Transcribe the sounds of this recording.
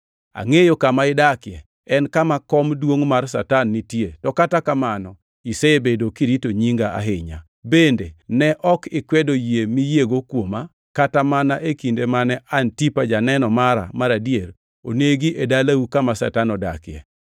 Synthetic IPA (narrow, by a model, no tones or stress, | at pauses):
a̰ŋejokamaɪdakɪɛ | ɛnkamakɔmdwoŋmarsa̰tanːitjetɔkatakamanɔ | iseebedokiɾitoɲiŋɡaa̰ɦɪɲa̰ | bendenɛʔɔkɪkwɛdojemijeɡokwoma | katamanaʔekindemanɛʔantipad͡ʒanɛnɔmaɾa̰maɾadjeɾ | oneɡiʔedalaukamasa̰tanɔda̰kɪɛ̰